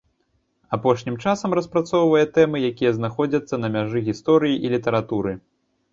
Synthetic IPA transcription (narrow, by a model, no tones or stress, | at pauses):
apɔʂnʲimt͡ʂasɐmɾɐspɾat̪sɔwvɐjɛt̪ɛmɨjakʲijɐznaxɔd͡zʲɐt̪sːɐnɐmʲaʐɨɣʲist̪ɔɾɨjiʔilʲit̪ɐɾat̪uɾɨ